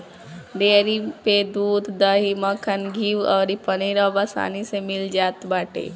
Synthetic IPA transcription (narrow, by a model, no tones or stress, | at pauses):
d̪eːɾiped̪uːd̪d̪əɦiməkʰənɡʱiːʋɔːɾipəniɾabasa̰ːnisemɪld͡ʒaːt̪baːʈḛː